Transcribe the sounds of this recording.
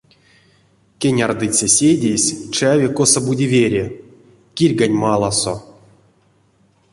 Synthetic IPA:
kʲenʲard̪ɨsʲesʲedʲesʲt͡ʃavʲekosɐbudʲivʲeɾʲe | kʲirʲɡanʲmalˠaso̰

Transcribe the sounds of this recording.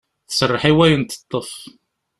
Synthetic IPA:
θəsərˤːəħiwæjənt̪ə̥t̪ˤːəf

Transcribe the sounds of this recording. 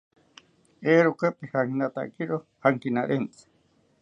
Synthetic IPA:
eɾukəpihaŋkinat̪a̰kiɾohaŋkinaɾent͡si̥

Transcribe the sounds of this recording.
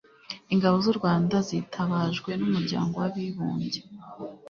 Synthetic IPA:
iŋɡaβo̞zuɾɡwaːndazitʰaβaːʒɡwe̞numuɾɟa̰ːŋɡo̞waβiβuːɲɟe

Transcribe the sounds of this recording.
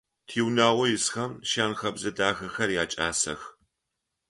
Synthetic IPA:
tʰiːwnaːwʷɔjɪsxɐmʃaːnxɐbzɐdaːxɐxɐrjaːt͡ʃʼa̰ːsɐ̰x

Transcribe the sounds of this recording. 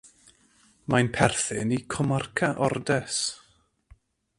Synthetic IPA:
majnpʰɛrθɨnikʰɔmarkʰaʔɔrdɛs

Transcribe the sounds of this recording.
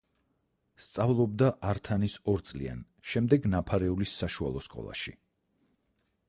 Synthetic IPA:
st̪sʼavlˠɔb̚d̪aʔaɾt̪ʰanisɔɾt̪sʼlḭa̰n | ʃɛmd̪ɛɡnapʰaɾɛulisːaʃualˠɔskʼɔ̰lˠa̰ʃi

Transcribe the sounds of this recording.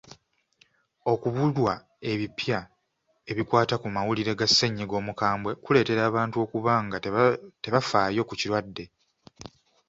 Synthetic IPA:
o̞kuβulwa | e̞βipja | e̞βikwaːtakumawuliɾe̞ɡasːeɲːiɡo̞ːmukaːmbwe̞kule̞ːte̞ɾaːβaːntuo̞ːkuβaŋɡate̞βafaːjo̞ːkuciɾwadːe̞

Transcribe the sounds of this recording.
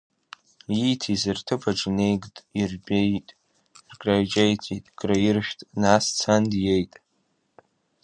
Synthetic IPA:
itʰizɨrtʰɨpʰaʈ͡ʂʼne̞jɡʼtʼirbʲejtʼ | rɡʼrajd͡ʒajtʰitʼɡ̥ʼrajirʃᶣtʼnast͡sʰandje̞jtʼ

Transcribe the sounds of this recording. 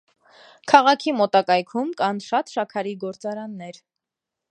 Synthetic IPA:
kʰɑʁɑkʰimɔt̪ɑkɑjkʰumkɑnʃɑt̪ʃɑkʰɑɾiɡɔɾt͡sɑɾɑnːɛɾ

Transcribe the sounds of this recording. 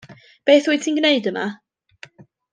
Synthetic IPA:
b̥eːθwuːtʰinɡneɨdəma̰

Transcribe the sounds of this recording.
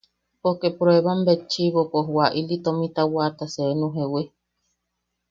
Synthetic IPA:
pokepuɾoeβambet͡ʃiβopoɦuaʔilit̪omĩt̪awat̪aseenũɦewe

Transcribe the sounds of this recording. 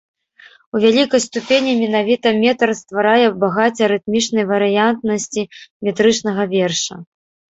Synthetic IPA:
uvʲalʲikɐjst̪upʲenʲimʲɛnavʲit̪ɐmʲɛt̪ɐrst̪vaɾajɛbaɣat͡sʲɐɾɨt̪̚mʲit͡ʂnɐjvɐɾɨjant̪nɐsʲt͡sʲimʲɛt̪ɾɨt͡ʂn̪ɐɣɐvʲɛrʂɐ̰

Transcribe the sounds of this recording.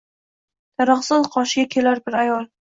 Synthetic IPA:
d̪̥aɾɑχsɪzqʰɒʃɪɡʲakʲʰe̞laɾbɪɾajɒlˠ

